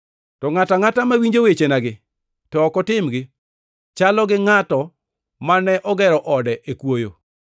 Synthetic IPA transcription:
tɔŋataŋatamawiɲd͡ʒowet͡ʃenaɡɪ | tɔːkɔtɪmɡɪ | t͡ʃalɔɡɪŋatɔ | manɛʔɔɡɛɾɔʔɔdɛʔekwojo̰

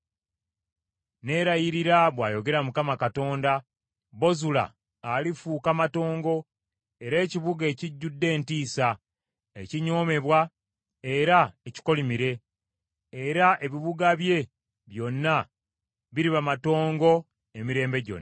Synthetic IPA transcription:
ne̞ɾajiɾiɾaβwaːjo̞ɡe̞ɾamukamakato̞ːnda | bo̞zula̰ː | lifuːkamato̞ːŋɡo̞ | e̞ɾe̞ːciβuɡe̞ːciɟːudːe̞ːntiːsa | eciɲo̞ːme̞βwa | e̞ɾaeci̥ko̞limiɾe̞ː | ɾaʔe̞βiβuɡaβje̞ | βjo̞nːa | βiɾiβamato̞ːŋɡo̞ | e̞miɾe̞ːmbe̞ɟo̞̰nː

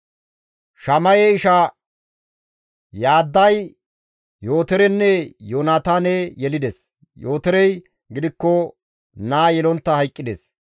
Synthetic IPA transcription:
ʃɐmɐjɛɪʃɐ | jaːd̪ːɐj | jo̞ːt̪ɛɾɛnːɛjoːnaːt̪anɛjɛlɪd̪ɛs | joːt̪ɛɾɛj | ɡɪd̪ɪkːɔ | naːjɛlɔnt̪ːɐhɐjkʼːɪd̪es

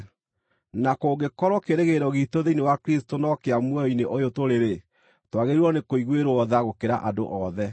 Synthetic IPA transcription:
nakoːɡekɔɾɔkeɾeɣeɾɔɣitoðeinewakɾistonɔkeamwɛjɔineʔojotoɾeɾe | twaɣeɾiɔnekoiɣweɾoɔðaɣokeɾa̰ʔado̰ʔɔðɛ

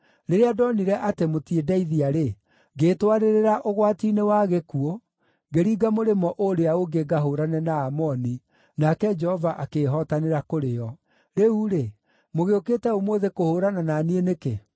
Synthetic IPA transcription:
ɾeɾeadɔniɾɛʔatemotiedɛiðiaɾe | ɡeːtwaɾeɾeɾaʔoɣwatiːnewaɣekuɔ | ɡeɾiːɡamoɾemɔʔoɾeaoɡeɡaɦoːɾanɛnaːmɔni | nakɛd͡ʒɛhɔvaʔakeːɦɔtaneɾakoɾejɔ | ɾeuɾe | moɣeokeːtɛomwoðekohoːɾanananieneke

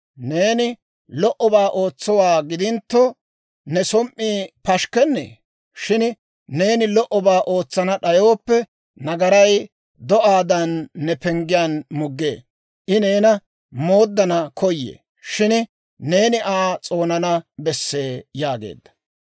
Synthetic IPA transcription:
ne̞ːnɪ | lɔʔɔbaːʔo̞ːt͡sːɔwaːɡɪd̪ɪnt̪ːɔ | nɛsɔmʔiːpɐʃkɛnːḛː | ʃɪn | ne̞ːnɪlɔʔɔbaːʔo̞ːt͡sːɐnɐɗɐjo̞ːpːɛ | nɐɡɐɾɐj | d̪ɔʔaːd̪ɐnːɛpɛŋɡɪjaːnmʊɡːḛː | ʔɪne̞ːnɐ | mo̞ːd̪ːɐnɐkʰɔjːḛː | ʃɪn | ne̞ːnɪʔaːt͡sʼo̞ːnɐnɐbɛsːe̞ːjaːɡe̞̰ːd̪ːɐ̥

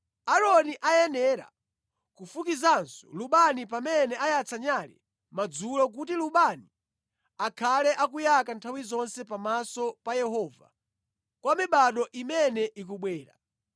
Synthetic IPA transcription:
aɾɔniʔajɛnɛɾa̰ | kufukizansɔ̥luɓanip̬amɛnɛʔajat͡saɲalɛ̰ | mad͡zulɔk̬utiluɓani | akʰalɛʔakujakantʰawizɔnsɛpamasɔpajɛɦɔːva̰ | kwamiɓaɗɔʔimɛnɛʔik̬uɓwɛːɾa̰

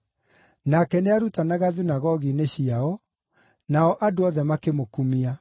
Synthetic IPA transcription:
nakɛneaɾutanaɣaðinaɣɔɣineɕiaɔ | naɔʔadoɔðɛmakemokumia

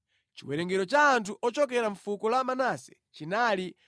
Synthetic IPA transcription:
t͡ʃiwɛɾɛŋɡɛɾɔt͡ʃaːntʰuʔɔt͡ʃɔkɛɾaɱfukɔlamanasɛ̥ | t͡ʃinali

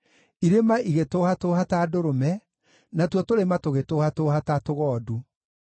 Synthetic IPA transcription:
iɾemaʔiɣetoːhatohatadoɾomɛ | natwɔtoɾematoɣetoːhatoːhatatoɣɔːdu

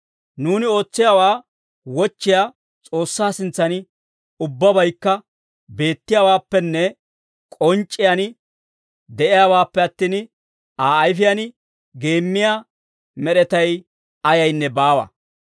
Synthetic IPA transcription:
nuːnɪo̞ːt͡sːɪjaːwaː | wɔt͡ʃːɪjaː | t͡sʼo̞ːsːaːsɪnt͡sːɐnɪ | ʊbːɐbɐjkːɐ | be̞ːt̪ːɪjawaːpːɛnːɛ | kʼɔnt͡ʃʼːɪjanɪ | d̪ɛʔɪjaːwaːpːɛɐt̪ːiːn | aːjfɪjanɪ | ɡe̞ːmːɪja | mɛɗɛt̪ɐj | ɐjɐjnːɛbaːwɐ̰

